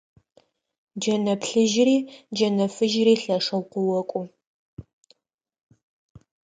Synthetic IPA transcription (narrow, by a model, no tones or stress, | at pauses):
d͡ʒɐnɐpɬɨʒriːd͡ʒɐnɐfɨʒriːɬɐʂɐwqʷʊwɔkʷʼʊ